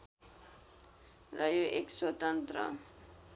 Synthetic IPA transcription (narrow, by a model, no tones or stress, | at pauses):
ɾajoʔekswʌt̪ʌnt̪ɾʌ̰